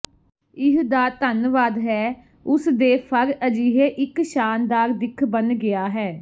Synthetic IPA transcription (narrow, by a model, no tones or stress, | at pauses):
ɪɦd̪aːt̪ənʋaːd̪ɦɛː | ʊsd̪eːpʰəɾəd͡ʒiːɦeːʔɪkʃaːnd̪aːɾd̪ɪkʰbənɡɪaːɦɛː